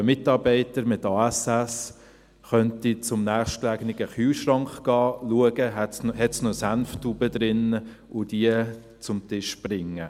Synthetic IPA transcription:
mɪtɑɾbɛɪtəɾmɪtɑːɛsɛs | χœntit͡sʊmnæːχʃtklæɡnɪɡəχyːʃrɑŋkχɡ̥ɑːluəɡəɦɛtsnhɛtsnɔsænftuːbəd̪ɾɪnə | ʊdiə | t͡sʊmtɪʃb̥rɪŋːə

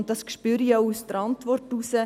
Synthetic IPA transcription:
n̚dɑskʃpyːɾiɑʊusdəɾɑntʋɔrtusə

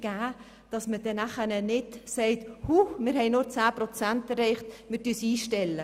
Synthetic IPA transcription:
ɡ̥æː | d̥ɑsməd̥ɛnæχənənɪdsɛɪthumɪɾhɛɪnʊɾt͡sæːpɾɔt͡sæntɛɾɛɪχtmɪɾtyːsiːʃtɛlːə

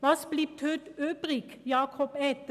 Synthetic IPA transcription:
ʋɑsbliːpt̪ʰœːt̪øːpʁikjɑːkʰɔpɛt̪

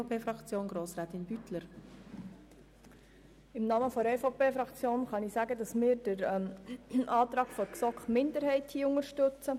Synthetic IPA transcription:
pʰeːfɾɑkt͡sjoːnɡɾoːsʁɛːt̪ɪnbytləɾ | ɪmnɑːməfɔɛfopeːfɾɑkt͡sjoːnχɑnɪsæːɡədɑsmɪːɾd̥əɾɛʔɑːt̪ɾɑːɡ̥fɔɾksɔkχmɪndəɾhɛɪthiːʊŋəɾʃtɵt͡sə

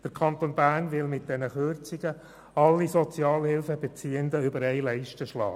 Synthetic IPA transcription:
d̥əɾkʰɑntoːnbæːrnvɪlmɪt̚d̥ɛnəχʏrt͡siɡə | ɑlːisot͡sjɑːlhɪlfəbɛt͡siːənd̪əʏbəɾɛɪlæɪʃtəʃlɑ̰ː

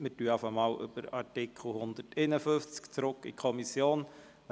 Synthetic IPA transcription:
mɪtyəɑfəmɑːlʔʏ̰b̥əɾɑ̰ɾtɪkʰl̩hʊnd̪əteɪnəfɵft͡skt͡sɾʊkːḭkʰɔmisjoːn

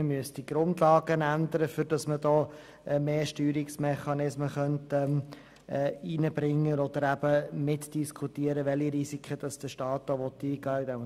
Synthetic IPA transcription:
əmyəsd̥iɡ̥ɾʊndlɑːɡənænd̪əɾəfʏɾd̥ɑsmədɔː | ɛmeːʃtyːɾiksmɛχɑnɪsməχœntɛ | ɛinəbɾɪŋːənɔd̪əɾæb̥əmɪtd̥iskʰutiəɾəʋɛliɾisikχəd̥ɑsd̥əʃtɑːt̚d̥ɔʋɔt̪ːiːɡ̥ɑːɪd̪ɛm

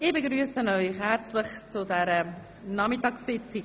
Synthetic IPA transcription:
ɪbəɡɾyəsənɔʏχhært͡sləχt͡sʊdɛɾə | nɑmɪtɑksɪt͡si

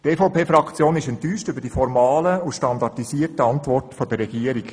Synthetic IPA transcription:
tɛfoʊpʰeːfɾɑkt͡sjoːnɪʃɛntyːʃtʏbəɾd̥ifɔɾmɑːləuʃtɑndɑrtisiːərtəɑntʋɔrtfɔdərːɛɡ̥iəɾik

